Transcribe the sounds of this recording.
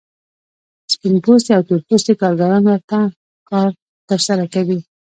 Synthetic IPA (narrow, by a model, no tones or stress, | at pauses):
spɪnpost̪iawt̪uɾpost̪ikɑɾɡaɾɑnwəɾt̪a | kɑɾ | t̪əɾsaɾakawi